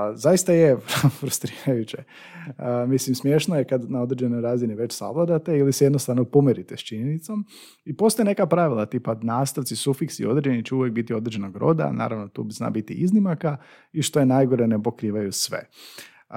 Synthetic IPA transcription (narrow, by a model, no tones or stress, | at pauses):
zaist̪ajefɾust̪ɾiːɾajut͡ɕe | mislimsmje̞ʃnojekad̪nao̞d̪ɾed͡ʒenojɾaːziniʋe̞t͡ʃsa̰ʋlˠad̪at̪e̞iliseje̞d̪nost̪aʋnopomeɾit̪est͡ʃiɲenit̪so̞m | ipo̞st̪oene̞kapɾaʋilˠat̪ipanaːst̪aʋt̪sisufiksḭo̞d̪ɾed͡ʒenit͡ɕɛuʋjek̚bit̪io̞d̪ɾed͡ʒenoɡɾo̞̰d̪a̰na̰ːɾaʋno̞t̪ṵzna̰bit̪ḭiznimaka | iʃt̪o̞jenajɡo̞ɾenepo̞kɾiːʋajusʋḛ